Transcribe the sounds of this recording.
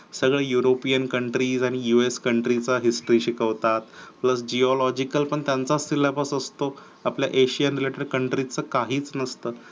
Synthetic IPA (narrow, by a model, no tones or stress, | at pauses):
səɡɭejuɾopijənkəɳʈɾiːd͡zaɽ̃ijueskəɳʈɾit͡saɦisʈɾiɕikəʋt̪at̪pləsd͡ʑiɔlɔd͡ʑikəlpəɳt̪jant͡sasilabəsəst̪o | aplja̰ʔeɕijənɾileʈəɾkəɳʈɾit͡səkaɦiːt͡snəst̪əː